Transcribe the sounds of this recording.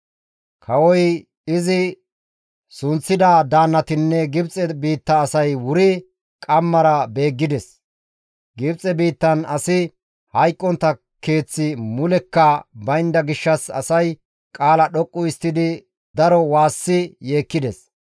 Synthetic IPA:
kʰɐwɔj | ɪzɪ | sʊnt͡sːɪd̪ɐd̪aːnːɐt̪ɪnːɛɡɪbt͡sʼɛbiːt̪ːɐːsɐjwʊɾɪ | kʼɐmːɐɾɐbe̞ːɡːɪd̪ɛs | ɡɪbt͡sʼɛbiːt̪ːɐnɐsɪ | hɐjkʼːɔnt̪ːɐ | ke̞ːt͡sːɪmʊlɛkːɐbɐjɪnd̪ɐɡɪʃːɐsɐ̰sɐj | kʼaːlɐɗɔkʼːʊɪst̪ːɪd̪ɪ | d̪ɐɾɔwaːsːɪje̞ːkːɪd̪ɛs

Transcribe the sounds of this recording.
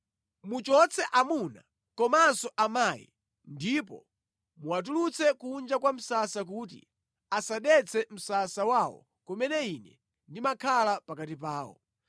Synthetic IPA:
mut͡ʃɔt͡sʰɛʔamuna̰ | kɔmansɔʔamaːjḭ | ndipɔ̰ | muwat̬ulut͡sʰɛkund͡ʒakwam̩sasak̬uːt̬ḭ | asaɗɛt͡sʰɛm̩sasawawɔ̰ | kɔmɛnɛinɛ | ndimakʰalapakatip̬aːwɔ̰

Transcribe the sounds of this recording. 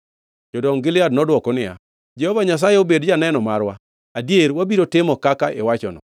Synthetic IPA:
d͡ʒɔdɔŋɡɪlɪadnɔdwɔkɔnɪa̰ | d͡ʒɛhɔvaɲas̬ajeobedd͡ʒanɛnɔmaɾwa̰ | adieɾwabiɾotɪmɔkakaʔḛwat͡ʃɔ̰nɔ̰

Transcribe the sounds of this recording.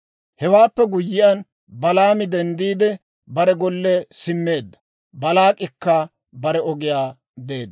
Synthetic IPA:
hɛwaːpːɛɡʊjːɪjɐn | bɐlaːmɪd̪ɛnd̪iːd̪ɛ | bɐɾɛɡɔlːɛsɪmːe̞ːd̪ːɐ̥ | bɐlaːkʼɪkːɐ | bɐɾɛɔɡɪjaː | be̞ːd̪ː

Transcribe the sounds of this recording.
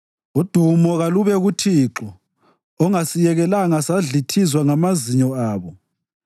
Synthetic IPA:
ud̥ʱumɔɣaluβɛɣutʰiːǁɔ | ɔŋasijɛɣɛlaŋasaɮitʰizwaŋamaziɲɔaːβɔ

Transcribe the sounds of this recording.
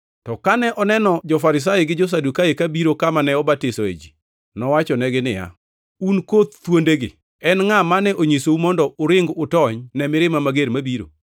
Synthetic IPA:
tɔkanɛʔɔnɛnɔd͡ʒɔfaɾɪs̬ajeɡɪd͡ʒɔs̬adukaekabiɾokamanɛɔbatɪsɔḛd͡ʒi | nɔwat͡ʃɔnɛɡɪnɪja̰ | unkot̪̚t̪wondeɡɪ̰ | ɛnŋamanɛʔoɲesoumɔndɔʊɾɪŋɡʊtɔɲnɛmɪɾɪmamaɡeɾmabiɾo̰

